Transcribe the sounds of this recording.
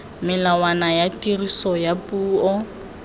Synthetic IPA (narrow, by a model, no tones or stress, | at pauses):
mɪlawanajatʼirisɔjapʼuːɔ